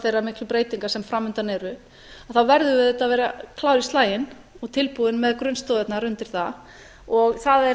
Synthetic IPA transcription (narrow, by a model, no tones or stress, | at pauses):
θejramɪhklʏpɾeːjt̪iŋkḁsɛmfɾamːʏnt̪anɛɾʏ | aθawvɛɾðʏvɪðɛt̪aðvɛːɾakʰlaːwɾist̪laːjɪn | ɔɣt̪ʰɪlpuðɪnmɛðkɾʏnst̪oːðɛt̪naɾʏnt̪ɪɾ̥θa | ɔɣθaðɛ